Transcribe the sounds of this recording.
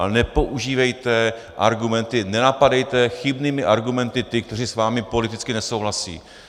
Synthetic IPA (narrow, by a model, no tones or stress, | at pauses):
nɛpo̞ʔuʒiːvɛjt̪ɛ | ʔa̰ɾɡumɛnt̪ɪnɛnapadɛjt̪ɛxɪbniːmɪʔaɾɡumɛnt̪ɪt̪ɪk̚t̪ɛr̝isvaːmɪpo̞lɪt̪ɪt͡skɪnɛso̞wɦlasḭː